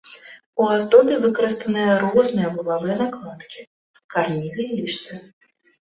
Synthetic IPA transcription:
uazd̪ɔbʲɛvɨkɐɾɨst̪ɐnɨjɐɾɔznɨjɐbɨlˠavɨjɐnaklˠat̪kʲi | karnʲizɨilʲiʂt̪ɨ

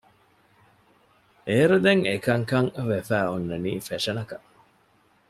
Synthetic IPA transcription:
eːɾud̪eŋekɐŋkɐŋʋefæːonːɐniːfeʂɐnɐkɐʔ

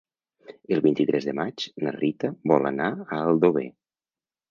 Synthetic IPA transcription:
əlˠβint̪it̪ɾʔɛzðəmat͡ʃnərit̪əβɔla̰naəəlˠd̪oβḛ

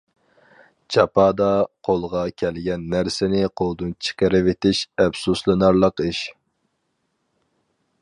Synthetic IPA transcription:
t͡ʃʰɑpʰɑːd̪ɑqʰolˠʁɑkʲʰɛlɡʲɛnːæɾsɪnɪqʰolˠd̪ɨnt͡ʃʰɪ̥qəɾɪvet̪ɪʃɛbsuslˠɨnɑɾlˠəqiʃ

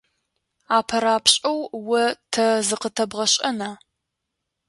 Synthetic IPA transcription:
aːpʰɐɾaːpɕʼɐwwɐtʰɐzɨqətʰɐbʁɐɕʼɐnaː

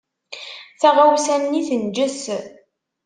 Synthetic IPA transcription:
θæʁawsænːiθənd͡ʒəs

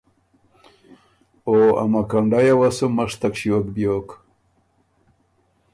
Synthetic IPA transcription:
oa̰makaɳɖajawasumaʂt̪akʂiwokbjoːk

